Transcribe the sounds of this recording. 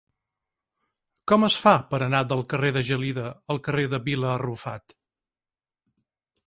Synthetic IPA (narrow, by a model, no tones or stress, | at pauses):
kɔməsfapəɾənad̪əlˠkəreðəʒəliðəəlˠkəreðəβiləːrufa̰t̪